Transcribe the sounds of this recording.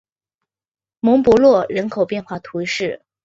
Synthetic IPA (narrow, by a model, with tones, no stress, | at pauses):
mʊ˧˥ŋpɔ˧˥lwɔ˥˩ɻə˧˥nkʰo˨˩ʊpjɛ˥˧nxwa˥˩t̪ʰu˧˥ʂɻ̩˥˩